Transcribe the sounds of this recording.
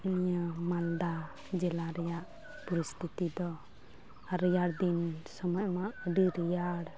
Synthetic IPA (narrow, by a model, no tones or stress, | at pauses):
unijəmald̪a | d͡ʒɛlaɾɛjaʔ | pɔɾist̪ʰit̪id̪ɔ | aɾijaɽd̪insɔmɔjmaʔəɖiɾijaɽ